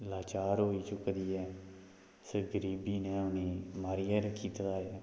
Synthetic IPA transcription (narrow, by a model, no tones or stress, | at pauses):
laːt͡ʃaːɾɦoːiːt͡ʃʊkːd̪iːɛː | səɡəɾiːbiːneːʊniːmaːɾɪjaːɾkiːt̪d̪aːjaː